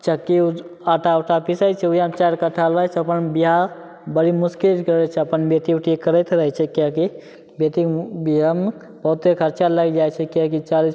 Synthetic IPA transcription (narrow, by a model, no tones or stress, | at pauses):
t͡ʃəkːiaʈʰaʈʰapisajt͡ʃʰɛujat͡ʃaɾkəʈʰalʋajt͡ʃʰəpənbiɦa | bəɽimuskilkɾət͡ʃʰɛəpənbet̪iʈʰikəɾəjt̪ɾəɦɛt͡ʃʰɛkaki | bet̪ibiɦam | bəɦut̪ːekʰəɾt͡ʃaləɡd͡ʒajt͡ʃʰɛkãkit͡ʃali